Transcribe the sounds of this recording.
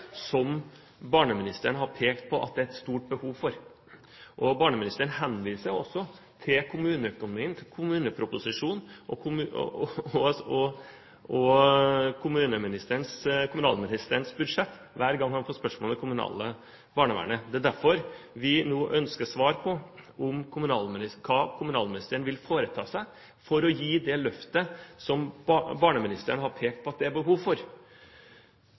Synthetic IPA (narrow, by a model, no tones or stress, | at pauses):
sɔm | bɑːɳəmɪnɪst̪əɳəhɑɾpʰeːkt̪̚pʰɔʔɑ̰t̪̚d̪ɛæɾɛt̪st̪uːʈ̚bəhuːʋfɔɾ | ʔɔbɑːɳəmɪnɪst̪əɾəɳhɛnʋiːsəɔsːɔ | t̪ʰɪlkʰʊmʉːnəœkʊnʊmiːənt̪ʰɪlkʰʊmʉːnəpʰɾʊpʊsɪʂuːnʔɔʊ | ɔɔ | ɔ | kʰʊmʉːnəmɪnɪst̪əəɳskʰʊmʉnɑ̰ːlmɪnɪst̪əɾənsbʉd̪ʂɛt̪ː | ʋæːɾɡɑŋːhɑnfoːt̪spœʂmold̪ɛkʰʊmʉnɑ̰ːlə | bɑːɳəʋæ̰ɳəd̪ɛd̪æɾfɔɾʋɪnoːʔœnskəʂʋɑːɾpʰɔʊmkʰʊmʉnɑːlmɪnɪskʰɑːkʰʊmʉnɑːlmɪnɪst̪əɾəɳʋɪlfoːɾət̪ʰɑ̰ːsæɪ | fɔɾɔjiːd̪ɛlœft̪əsɔmbɑːɳəmɪnɪst̪əəɳəɦɑɾpʰeːk̚t̪̚pʰɔɑt̪̚d̪ɛæɾbəɦuːʋfɔɾ